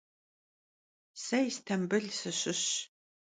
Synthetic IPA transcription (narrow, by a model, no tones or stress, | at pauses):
sɐjstʰɐmbɨɮsɨɕɪɕ